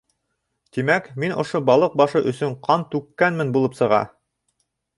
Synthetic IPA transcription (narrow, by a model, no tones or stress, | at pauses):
t̪imækminʔŏ̰ʃobɑlˠɤq̚bɑʃɤʔɵ̆sɵɴqʰɑnt̪ʉkːænmɘnbulˠɤpsɤ̆ʁɑ̰